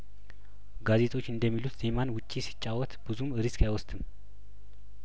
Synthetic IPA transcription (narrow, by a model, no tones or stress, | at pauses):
ɡaze̞t̪ʰʼo̞t͡ʃːɨnd̪əmːilut̪z̥emanwʊt͡ʃʼːisi̥t͡ʃʼːawɔt̪b̥ɨzumɨɾiskajwɔst̪ʰʼɨm